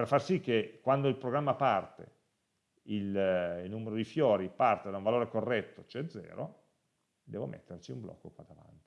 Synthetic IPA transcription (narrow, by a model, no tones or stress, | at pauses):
perfarsikːekwand̪oilpɾoɡɾamːapart̪ḛ | ilnuːmeɾod̪ifjoːɾipart̪ed̪auɱvaloːɾekorːɛt̪ːot͡ʃoɛd̪zɛ̰ːɾo | d̪ɛːvomʔḛt̪ːert͡ʃiumblʔɔ̰kːokwad̪ava̰nt̪i̥